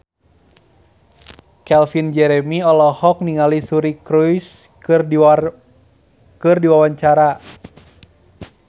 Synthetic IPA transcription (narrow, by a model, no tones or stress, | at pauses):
kɛlfind͡ʒɛɾɛmiɔlɔhɔk̚niŋalisuɾikɾujs | ɨr | kɨrdiwawaɲt͡ʃaɾa